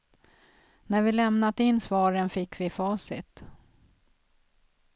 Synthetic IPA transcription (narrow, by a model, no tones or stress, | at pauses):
næɾvɪlɛmnat̪ɪnːsvɑːɾənfɪkːvɪfɑːsɪ̰t̪